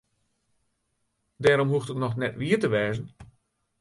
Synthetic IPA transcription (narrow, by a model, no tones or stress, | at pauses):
dɛːɾɔmɦuftətnɔxnɛtʋiətəʋɛːzən